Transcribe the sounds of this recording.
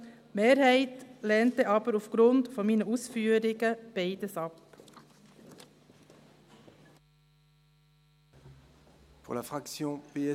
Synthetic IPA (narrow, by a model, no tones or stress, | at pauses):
meːɾheɪt̪leːnt̪əʔɑbəɾufɡɾʉnd̪fɔɾmiːnəusfyːɾɪɡəb̥eɪd̪əsɑp | puʁlafχaksjɔ̃peɛ